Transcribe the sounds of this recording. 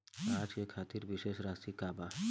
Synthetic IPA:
aːd͡ʒkekʰaːt̪iɾʋɪʃeːʃɾaːsikaːba

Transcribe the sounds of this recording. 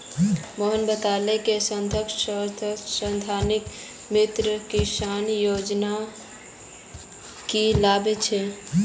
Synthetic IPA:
məɦənbət̪alekesənd̪ʱək̪ | səd̪ʱanik | mit̪ɾəkisanjod͡ʒna | kilabet͡ʃʰe

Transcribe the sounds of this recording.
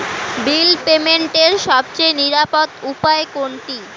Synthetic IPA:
bilpemeɳʈeɾʃɔb̚t͡ɕejniɾapot̪upaekoɳʈi

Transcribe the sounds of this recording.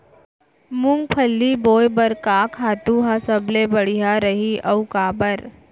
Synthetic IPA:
mʊŋɡ̚pʰɐlːiboːjbɐɾkaːkʰaːt̪uɦasɐblebɐɽ̤iɦaɾəɦiʔɐwkaːbəɾ

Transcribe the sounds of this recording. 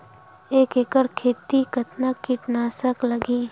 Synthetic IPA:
eːkekəɽkʰeːt̪ikɐt̪nəkːiʈnaːsəklɐɡiː

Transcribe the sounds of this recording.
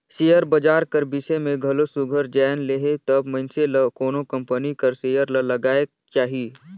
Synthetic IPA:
seːjəɾbɐd͡ʒaːɾkɐɾbɪsemẽɡʱɐlosʊɡʱəɾd͡ʒɛːnleːɦet̪ɐbmɐɪnseləkoːnokɐ̃mpənikɐɾsejəɾlɐlɐɡaːe | t͡ʃaːɦi

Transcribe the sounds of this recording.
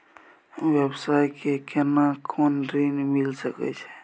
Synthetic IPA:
websajkekenakʰonɾinmilsəkɛ̰t͡ʃʰɛ̥

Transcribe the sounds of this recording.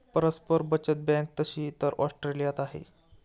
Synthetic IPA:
pəɾəspəɾbət͡ɕət̪̚bɛ̃k̚t̪əɕiːt̪əɾʔɔsʈɾelijat̪aɦḛ

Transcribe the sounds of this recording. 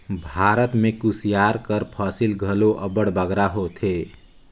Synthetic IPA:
bʱaɾət̪mekusijaɾkəɾpʰaːsilɡʱəloʔəbəɽbəɡɾaɦot̪ʰe

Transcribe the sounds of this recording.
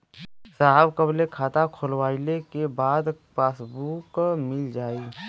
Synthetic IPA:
saɦəbkəblekʰaːt̪akʰolwaːilekebaːd̪paːsbuːkmɪld͡ʒaːi

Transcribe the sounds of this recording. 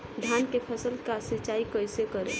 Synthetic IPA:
d̪ʱjankepʰəsəlkasit͡ʃaikəjsekəɾḛ

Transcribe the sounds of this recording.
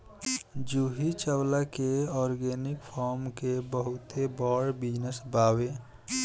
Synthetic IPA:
d͡ʒuɦit͡ʃəwlakeɔːɾɡenɪkpʰɔːɾmkebəɦʊt̪ebɔːɾbid͡ʒnəsbaːwe

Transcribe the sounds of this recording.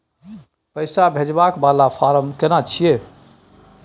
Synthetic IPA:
pəjsabʱed͡ʒbakbalafʰaɾəmkenat͡ʃʰije

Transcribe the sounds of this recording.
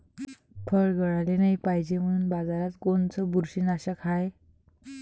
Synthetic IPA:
pʰəɭɡʱəɭalenajpaɦid͡ʑem̤əɽunbad͡zaɾat̪kont͡sɔbuɾɕinaɕakʰaj

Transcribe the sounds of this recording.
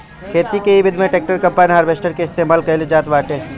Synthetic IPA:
kʰeːt̪ikeibɪd̪mẽʈeːk̚ʈəɾkɐ̃mpaːniɦaːɾbeːsʈəɾkeɪst̪eːmaːlkɐɪld͡ʒaːt̪ʋaːʈeː

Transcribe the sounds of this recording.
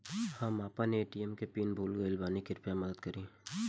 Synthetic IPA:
hãmaːpaneeːʈiɛmkepiːnbʱuːlɡɐɪlbaːnikɪɾpjamɐd̪əd̪̚kɐɾĩː

